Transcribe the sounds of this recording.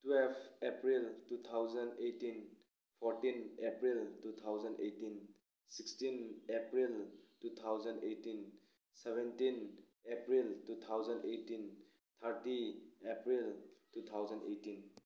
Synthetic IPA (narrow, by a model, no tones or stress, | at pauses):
twelbʰepɾiltut̪ʰawzəndejtin | pʰɔɾtinepɾiltut̪ʰawzəndejtin | sikstinepɾiltut̪ʰawzəndejtin | sebʱentin | epɾiltut̪ʰawzəndejtin | t̪ʰəɾtiepɾiltut̪ʰawzəndḛjtin